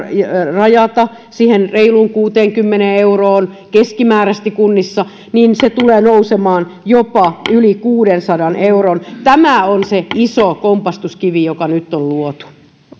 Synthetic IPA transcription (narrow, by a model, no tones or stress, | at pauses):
rɑjɑt̪ɑ | siːhenreiluːŋkuːt̪eːŋkymːeneːeuroːn | keskimæːræst̪ikunːisːɑ | niːnset̪uleːnousemɑːnjopɑylikuːdensɑdɑnʔeuront̪æmæonseisokompɑst̪uskiʋijokɑnyt̪ːolluot̪u̥